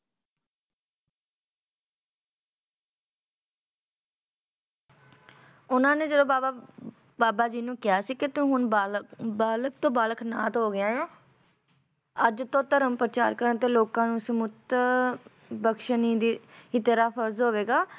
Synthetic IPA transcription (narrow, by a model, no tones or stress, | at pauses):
ʊnãːneːd͡ʒədõːbaːbaː | baːbaːd͡ʒiːnũːkɪjaːsiːkɪt̪ʊ̃ːɦʊnː | baːlək̚t̪õːbaːləkna̰ːt̪ɦoːɡɪãːãː | əd͡ʒt̪õːt̪əɾəmpɾət͡ʃaːɾkəɾə̃nt̪eːloːkãːnũːsəmʊt̪ | bəkʃəniːd̪iːɪːt̪eːɾaːpʰəɾzɦoːʋeːɡaː